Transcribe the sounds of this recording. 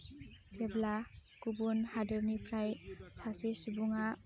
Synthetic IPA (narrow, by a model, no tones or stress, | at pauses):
seblakubunhadɔɾnipʰɾajsasesubuŋa